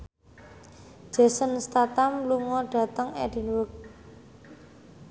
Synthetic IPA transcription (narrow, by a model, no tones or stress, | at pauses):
d͡ʒ̥a̤sənst̪at̪amluŋɔɖ̥a̤t̪əŋɛ̰d̥i̤nwʊk̚